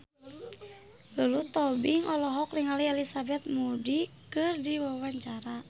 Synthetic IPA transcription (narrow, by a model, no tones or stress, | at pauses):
ɡəlut̪ɔbiŋɔlɔɦɔkliŋaliɛlisabɛt̪̚mudikɨrdiwawaɲt͡ʃaɾa